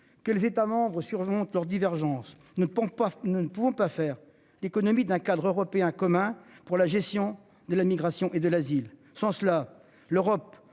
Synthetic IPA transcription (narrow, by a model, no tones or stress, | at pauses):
kəlezet̪amɑ̃bʁəsyʁmɔ̃t̪lœʁd̪ivɛʁʒɑ̃s | nunəpuvɔ̃pafɛʁ | lekɔnɔmid̪ɛ̃kad̪ʁøʁɔpeɛ̃kɔmɛ̃puʁlaʒɛst̪jɔ̃ | d̪əlamiɡʁasjɔ̃ʔed̪əlazil | sɑ̃səla | løʁɔp